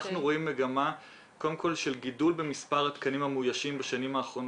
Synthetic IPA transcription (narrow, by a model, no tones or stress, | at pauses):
χnuʁo̞imːe̞ɡama | ko̞demko̞lʃe̞lɡidulbe̞mispaʁat̪kanimamujaʃimbaʃanimaːχʁo̞n